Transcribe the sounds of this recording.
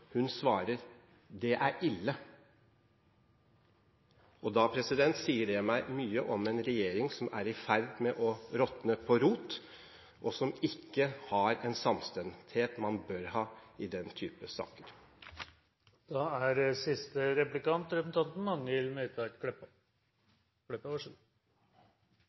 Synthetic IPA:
hʉnsʋɑːɾəɾ | d̪ɛʔæɾʔɪlːə | ʔɔd̪ɑpʰɾɛsɪd̪ɛnt̪siːəɖɛmæɪmyːəʔɔmɛnɾɛjeːɾɪŋsɔmæɾɪfæɾd̪mɛʔɔɾɔt̪nəpʰɔɾuːt̪ | ʔɔsɔmɪkːəhɑɾɛnsɑmst̪ɛnt̪heːt̪mɑnbøɾhɑːɪd̪ɛnt̪ʰyːpəsɑ̰ːkəɾ | d̪̥ɑːæɾsɪst̪əɾɛplɪkɑnt̪ɾɛpsn̩t̪ʰɑnt̪n̩mɑŋːəɪlmøːt̪ʰəɛt̪kɛp | kɽɛpːəʋɔʂ

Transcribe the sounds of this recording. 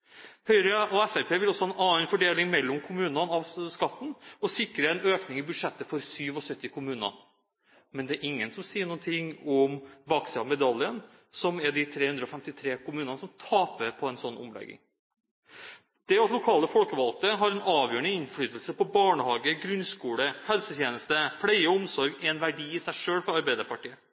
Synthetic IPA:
hœʏɾəʔɔɛfæɾpʰeːʋɪlɔsːɔhɑɛnɑːənfɔɖeːlɪŋmɛlːɔmkʰʊmʉːnɑnɑʋskɑt̪ːn̩ɔsɪkːɾəɛnøːknɪŋɪbʉd̪ʂɛt̪ːəfɔɾsyːʋɔsœt̪ːɪkʰʊmʉːnɑ̰ | mɛnd̪ɛæɾʔɪŋːənsɔmsiːəɳuːənt̪ʰɪŋɔmʋɑksɪɑmɛd̪ɑlːɪən | sɔmɛɖɪt̪ʰɾeːhʉnd̪ɾəɔfɛmt̪ɪt̪ʰɾeːkʰʊmʉːnɑnəsɔmt̪ʰɑːpəpʰɔɛɪnsɔnːʔɔ̰mlɛ̰ɡːɪ̰ŋ | d̪̥ɛɑt̪lʊkʰɑːləfɔlkəʋɑlkt̪əɦɑɾɛnɑːʋjøːəɳəɪnflyːt̪əlsəpɔbɑːɳəhɑːɡəɡɾʉnskuːləhɛlsət̪ʰjeːnəst̪əfɽæɪəʊmsɔɾɡɛɛnʋæɖiːɪsæɪʂøːlfɾɑɑɾbæɪd̪əɾpɑʈiːə

